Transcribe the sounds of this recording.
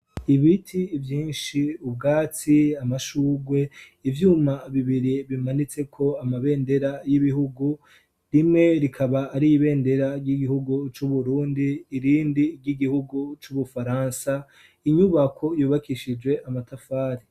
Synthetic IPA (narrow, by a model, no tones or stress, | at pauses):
iβitʰivjiːnʃiubɡaːt͡siamaʃuːɡwe̞ | ivjuːmaβiβiɾiβimanit͡se̞kʰo̞amaβe̞ːnde̞ɾajiβiɦuɡu | ɾimŋe̞ɾikʰaβaːɾiːβe̞ːnde̞ɾaɾɟiɡihuɡut͡ʃuβuɾuːndiːɾiːndiɾɟiɡihuɡut͡ʃuβufaɾaːnsa | iɲuβakʰo̞juːβakiʃid͡ʒwe̞ʔamatʰafaːɾi